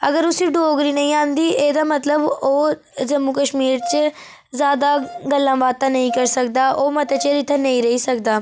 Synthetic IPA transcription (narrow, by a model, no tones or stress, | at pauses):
əɡəɾʊsiɖoːɡɾiːnəɦĩːãːnd̪iːʔeːd̪aːmət̪ləboː | d͡ʒəmːukəʃmiːɾt͡ʃ | zjaːd̪aɡəlːãːbaːt̪ːanəɦĩːkəɾsək̚d̪aːʔoːmɐt̪et͡ʃeɾɪt̪ʰːənəĩːɾəɦisəkd̪aː